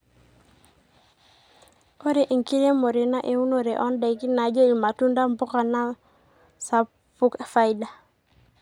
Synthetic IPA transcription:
o˦ɾe˨ʔi˨ŋki˦ɾe˦mo˨ɾe˨na˦ʔe˨wu˦no˨ɾe˨ʔɔ˦nda˨jki˦na˨d͡ʒe˦i˨ma˨tu˦nda˦mbu˦ka˨na˦ | sa˨ | pu˦ka˨fa˦jda˨

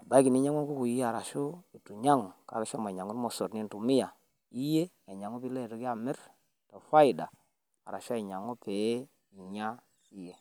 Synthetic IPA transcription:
ba˦ki˨ni˦ɲa˦ŋu˦ku˦ku˨i˦a˨ɾa˨ʃu˦i˨tu˨ɲa˦ŋu˨ka̰˨ɾe˦ʃo˦m˨ɲa˨ŋu˦n˦mo˨so˨ɾni˦n˨tu˨mi˦ja˨ | i˦je˦ | e˨ɲa˨ŋu˦pi˦le˦˨tu˦ki˦a˦˨mɪ˦ɾ | to˨fa˦i˨da˨ | a˨ɾa˨ʃe˨ɲa˨ŋu˦pe˨˦ | i˨ɲa˦ | i˦je˦

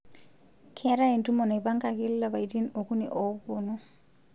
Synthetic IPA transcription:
kʰɛɾa˦i˨ntumo˨na˨ba˦ŋka˨ki˦lːa˨ba˨i˨ti˦no˨ku˦nḭʔobunu

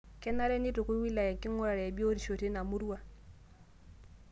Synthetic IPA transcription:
ke˦na˦ɾe˦ni˦tu˨ku˦wi˦la˨je˨ŋki˦ŋu˦ɾa˨ɾe˨e˨bi˦o˦ɾi˨ʃo˨ti˦na˨mu˦ɾu˦wa˦˨

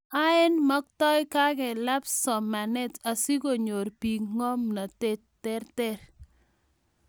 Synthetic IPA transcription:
a˦ɪ˦nmɔ˦k̚tɔ˦jka˦kɛ˨la˦psɔ˨ma˨nɛ˦ta˨si˦ko˨ɲo˨rpi˨ŋɔ˦mna˨te | tɛ˦rtɛ˦ɾ

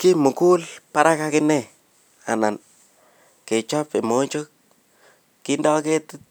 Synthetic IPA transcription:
ki˦mu˨ku˦lpa˦ɾa˦ka˦kɪ˦nɛ˦˨ | a̰˨na˨n | ke˨t͡ʃɔ˦pe˨mo˦ɲt͡ʃo˦k̚ː | i˦ndɔ˦ke˦tɪ˦t̚

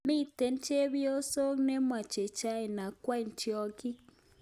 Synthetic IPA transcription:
mi˦˨te˨n̩˦t͡ʃe˦βi˦o˦so˦ne˦mwa˨t͡ʃe˨t͡ʃa˦e˨na˨kwa˦i˨n˨ti˨˦ɔ˦ki˦

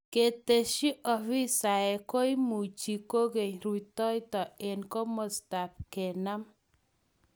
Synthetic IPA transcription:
ke˨t̪e˨ʃi˦ʔɔ˨fi˦sa˨ɛ˨ko˦i˦mu˨t͡ʃi˨ko˦ɡe˨ɲɾu˨itɔ˦jtɔ˨e˨nkɔ˦mɔ˨sta˨p̚kɛ˨na˦m

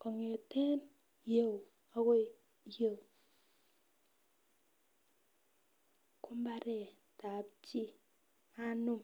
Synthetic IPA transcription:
kɔ˨ŋe˨te˦n | je˨w | a˦ko˦˨ | je˦˨w | kʰu˦m˦ba˦ɾɛ˨ | ta˨p̚t͡ʃi˦ | a˦nu˦m

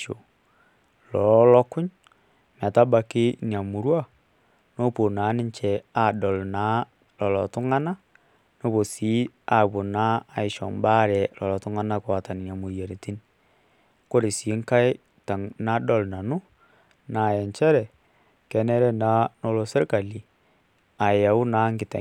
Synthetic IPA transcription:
o˨ | lɔ˨ɔ˦lɔ˦kʊ˦ɲ | m˨a˨ta˦ba˨kɪ˦n˨a˨mu˨ɾwa˦ | no˦po˨na˨˦nɪ˦ɲt͡ʃɛ˨a˦˨dɔ˨lna˨˦ | lɔ˨lɔ˨tʊ˦ŋa˦na˦ | no˦bo˨si˦ | a˨bo˨na˦a˨ɪ˨ʃɔ̰˨mba˦ɾɛ˨lɔ˨lɔ˨tu˦ŋa˦na˦kwa˨ta˨n˨n˨a˨mu˨je˨ɾe˨ti˦n | ko˦ɾɪ˨si˨˦ŋka˦ɪ˦ | ta˨ŋna˦dɔ˦˨lna˨nʊ˦ | na˨jɛ˨nt͡ʃɛ˦ɾɛ˨ | kɛ˨nɛ˦ɾɛ˦na˨˦no˧lo˨se˦ɾka˨li˨ | a˨ja˨ʊ˦na˦ŋɡɪ˨ta̰˨

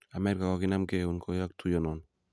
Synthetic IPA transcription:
a˨mɛ˦ɾka˨kɔ˦ki˦na˦mke˦˨u˨nkʰo˨ja˦k̚tʰu˦jɔ˦nɔ˨n

